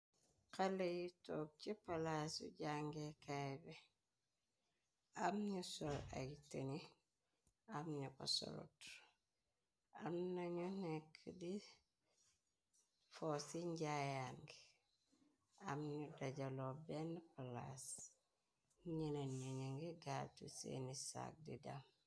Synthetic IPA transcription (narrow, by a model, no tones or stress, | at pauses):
kalejitoːk̚t͡ʃipalasṵɟaŋɡekabe | amɲusola̰ɡitani | amɲuba̰so̰lṵt | a̰mnaɲunekʰːdi | fosiɲɟajaŋɡi | amɲudaɟalobenpalas | ɲilenɲuɲaŋɡiɡatṵsḛnisa̰k̚dida̰m